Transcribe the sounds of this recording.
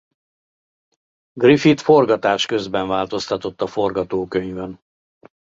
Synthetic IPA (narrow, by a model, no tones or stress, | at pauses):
ɡrifit̪fo̞rɡɒt̪aːʃkøzbɛɱvaːlt̪o̞st̪ɒt̪o̞t̪ːɒfo̞rɡɒt̪oːkøɲvɛn